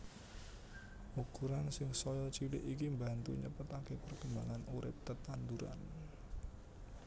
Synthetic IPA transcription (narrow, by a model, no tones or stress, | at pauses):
ʔukuɾansɪŋsɔjɔt͡ʃilɪʔikimbant̪ṵɲəpət̪akepərkəmbaŋanuɾɪp̚t̪ət̪and̪uɾa̰n